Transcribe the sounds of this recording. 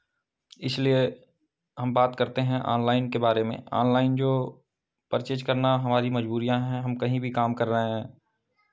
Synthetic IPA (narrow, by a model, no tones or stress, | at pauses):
ɪslie | ɦɐmbaːt̪kɐɾt̪eɦɛ̃ʔɔ̰ːnlaːɪnkebaːɾemḛ̃ʔɔ̰ːnlaːɪnd͡ʒoː | pəɾt͡ʃeːd͡ʒkɐɾnaɦɐmaːɾimɐd͡ʒbuːɾijãɦɛ̃ɦɐmkɐɦĩbʱikaːmkɐɾːəɦẽɦɛ̃ː